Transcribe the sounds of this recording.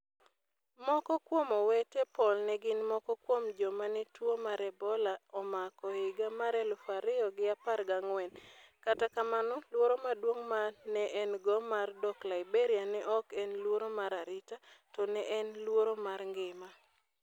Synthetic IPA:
mɔkɔkwomɔwetepɔlnɛɡɪnmɔkɔkwomd͡ʒɔmanɛtwomaɾɛbɔlaɔmakɔɪɡamaɾɛlʊfaɾɪɔɡɪaparɡaŋwɛnkatakamanɔlwoɾomadwoŋmanɛʔɛnɡɔmardɔklaɪbeɾianɛʔɔkɛnlwoɾomaɾaɾɪtatɔnɛʔɛnlwoɾomarŋɡɪma

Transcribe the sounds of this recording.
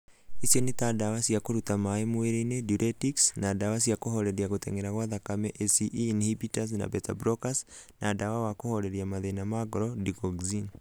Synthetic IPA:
isjonitadawasiakoɾutamaemoeɾeneduɾʔetiksnadawasiakoɦoɾeɾiaɣoteŋeɾaɣwaðakamɛʔesiʔːnhibitas̬na̰beta̰bɾokasnʔadawawakohoɾeɾiamaðenamaɡoɾɔdikoɡzin

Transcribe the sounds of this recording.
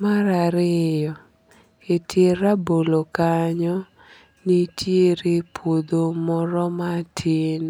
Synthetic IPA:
maɾaɾɪjɔ | eteɾabolokaɲɔ | nitjeɾepod̪omɔɾɔmatʰɪn

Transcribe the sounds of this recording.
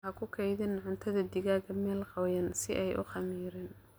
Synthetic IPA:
ɐkʰʊkʰɛjðɪnʕʊnt̪ʰɐðɐd̪ɪɣaːɣɐmɛːlqɑwjɐnsɪʔɛjʔʊ̰χɑmiːɾɪn

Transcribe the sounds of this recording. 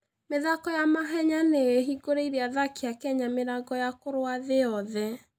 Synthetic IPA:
meðakɔjamaɦɛɲaneeɦiɡoɾeiɾeaðakiakɛɲameɾaɡɔjakoɾoaðeɔðɛ

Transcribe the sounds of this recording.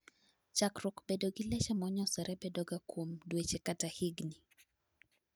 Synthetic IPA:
t͡ʃakɾʊkbedoɡilɛt͡ʃamɔɲɔsɛɾɛbedɔɡakwomdwet͡ʃekatahiɡni

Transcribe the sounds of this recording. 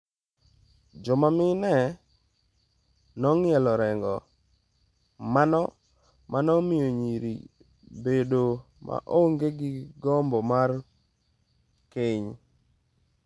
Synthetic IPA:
d͡ʒɔmamɪnɛ | nɔŋɪɛlɔɾɛŋɡɔ | manɔ | mʔanɔmijoɲiɾḭ | bedo | ma̰ʔoŋɡeɡɪɡɔmbɔmar | kɪɲ

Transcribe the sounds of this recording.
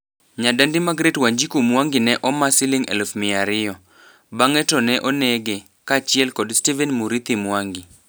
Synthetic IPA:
ɲadandimaɡɾetwaɲd͡ʒikomwaŋɡɪnɛʔɔmasɪlɪŋɛ̰lfmɪaɾɪjɔ | baŋɛtɔnɛʔɔnɛɡe | kat͡ʃɪɛlkɔdstivɛnmuɾit̪imwaŋɡɪ

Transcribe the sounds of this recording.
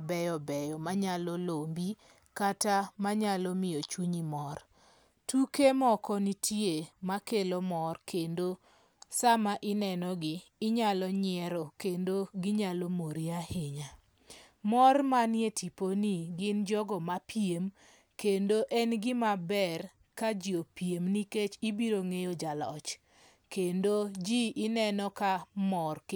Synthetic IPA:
bɛjɔbɛjɔmaɲalɔlombi | katamaɲalɔmɪjɔt͡ʃuɲimɔr | tukemɔkɔnitʰjemakelɔmɔrkʰendo | samaʔɪnɛnɔɡɪːɲalɔɲɪɛɾɔkendoɡɪɲalomoɾiaheɲa | mɔrmanjetʰiponiɡɪnd͡ʒɔɡɔmapjem | kendoʔɛnɡɪmabɛr | kad͡ʒiopijemniket͡ʃibiɾoŋejod͡ʒalɔ̰t͡ʃ | kendod͡ʒiʔɪnɛnɔkamɔrk

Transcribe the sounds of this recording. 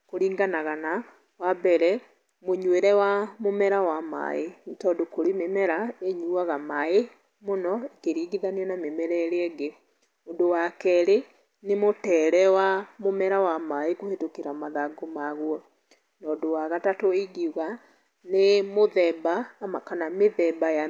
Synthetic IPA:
koɾiːŋɡanaɣana | wabɛɾɛ | moɲweɾɛwamomɛɾawama̰etɔːdokoɾimemɛɾaeɲuaɣamae | monɔekeɾiːɡiðaniɛnamemɛɾɛɾeɛɡe | ondowakɛɾe | nemotɛːɾɛwamomɛɾawamaekohetokeɾamaðaɡomaɣwɔ | nɔːdowaɣatatoiɡiuɣa | nemoðɛbaːmakanameðɛbaja

